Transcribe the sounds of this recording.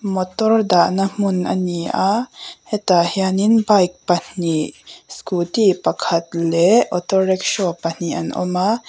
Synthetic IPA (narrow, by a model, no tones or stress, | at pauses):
mɔtɔrdaʔnam̥ʊnʔɐ̰niʔahɛt̪ahianinbajk̚pɐn̥iskut̪ipɐkʰɐt̪̚lɛʔɔt̪ɔrɛk̚ʃɔpɐn̥iʔɐ̰nʔɔ̰ma